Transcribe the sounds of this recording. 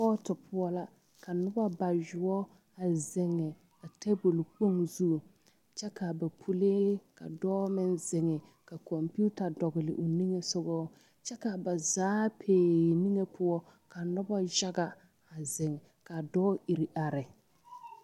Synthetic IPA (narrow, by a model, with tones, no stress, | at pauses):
pɔː˦tʊ˨pʰʊ˦ɔ˦la˦ | ka˨nʊ˦ba˦ba˨d͡ʒʊ˨ɔ˦ | a˨zɪ˨ŋːɪ˨ | ka˨te˦bo˨lk͡po˦ŋzu˦˨ | t͡ʃɛ˦ka˨ba˨pʰu˦le˦ka̰˨dɔː˦mɪ˦nzɪ˨ŋɪ˨ka˨kɔ˨mpu˦ta˨dɔ˨ɡɪ˨lɪ̰˨ʔʊ˨ni˦ŋe˦sʊ˦ɡɔ˦ | t͡ʃɛ˦ka˨ba˨zaː˨˦pʰeː˨ni˦ŋe˦pʊ˦ɔ˦ | ka˨nʊ˦ba˦d͡ʒa˦ɡa˨ | a˨zɪ˨ŋ˨ | ka˨dɔː˦ʔi˨ɾi˨ʔa˨ɾɪ˨